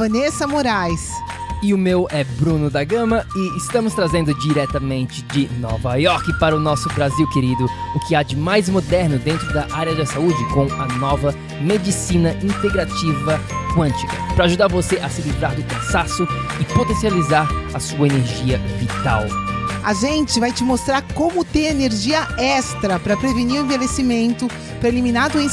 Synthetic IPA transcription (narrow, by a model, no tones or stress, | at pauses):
vɐ̃nesɐmoɾajs | ɪʊmewɛbɾũnʊd̪aɡɐ̃mɐɪɪst̪ɐ̃mʊst̪ɾazẽnd̪ʊd͡ʒiɾɛt̪ɐmẽnt͡ʃɪd͡ʒɪnɔ̰vɐjɔɾkɪpaɾɐʊnɔsʊbɾaziwkeɾid̪ʊʊkɪad͡ʒɪmajzmod̪ɛɾnʊd̪ẽnt̪ɾʊd̪ɐʔaɾjɐd̪ɐsaud͡ʒɪkõw̃ɐnɔvɐ | med͡ʒisĩnɐʔĩnt̪eɡɾat͡ʃivɐkwɐ̃nt͡ʃikɐpɾɐaːʒud̪aɾvoseʔɐsɪlivɾaɾd͡ʒɪkɐ̃sasʊɪpot̪ẽsializaɾɐsuɐeneɾʒiɐvit̪a̰waʒẽnt͡ʃɪvajt͡ʃɪmost̪ɾaɾkõmʊt̪ẽeneɾʒiɐɛst̪ɾɐpɾɐpɾeveniɾʊ̃ẽvelesimẽnt̪ʊ | pɾɐeliminad̪ʊẽ